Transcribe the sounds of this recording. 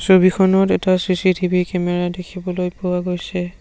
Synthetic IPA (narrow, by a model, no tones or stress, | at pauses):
sobikʰɔnɔtɛtasisitʰibikɛmɛɹadekʰibɔlojpɔwaɡojsɛ